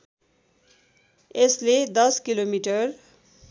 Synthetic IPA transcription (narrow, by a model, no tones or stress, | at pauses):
esled̪ʌskilomiʈʌr